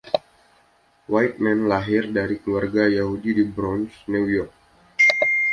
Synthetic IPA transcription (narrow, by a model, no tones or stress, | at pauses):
wajt̪̚mɛnlaɦɪrdaɾikluarɡajaɦudidibɾɔnsnuwjɔrk̚